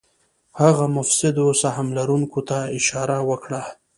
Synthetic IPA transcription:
haɣamʊfsɪd̪osaɦamlaɾuŋkot̪aɪʃɑɾawəkɽa

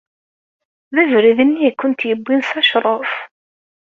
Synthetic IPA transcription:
ðævɾiðənːijækʷːʊnt̪jəbːinsæʃɾˤof

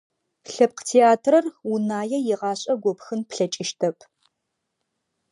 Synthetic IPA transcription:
ɬɐp̚qtʰeːaːtʰrɐrunaːjɛjɪʁɑːɕʼɐɡʷɔpxɨnpɬɐt͡ʃʼɪʃtʰɐpʰ

